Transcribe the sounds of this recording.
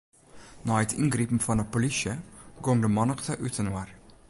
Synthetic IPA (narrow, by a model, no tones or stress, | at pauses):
nɑːɛt̪ʰɪŋɡɾiːpm̩fɔnɑpʊlɪʃəɡɔŋd̪əmɑnɑkt̪ʰɑʔʉːt̪ʰənuʋəɾ